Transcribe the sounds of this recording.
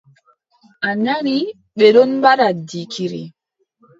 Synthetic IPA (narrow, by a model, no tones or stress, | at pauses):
ʔaɲaɾi | ɓɛɗɔnmbaɾadikʰiɾḭ